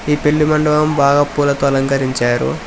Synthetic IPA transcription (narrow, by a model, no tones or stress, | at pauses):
iːpe̞ɭːumɐɳɖɐʋɐmbʱaːɡaːpuːlɐt̪oɐlɐŋkɐɾiɲt͡ʃaːɾṵ